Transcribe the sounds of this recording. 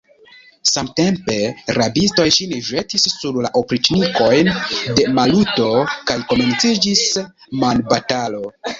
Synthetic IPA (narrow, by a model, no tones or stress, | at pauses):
samte̞mpe̞ɾabisto̞jʃiniʒe̞tisːuɾlaʔopɾit͡ʃniko̞jnde̞maluto̞kajko̞me̞nt͡sid͡ʒis | manbatalo̞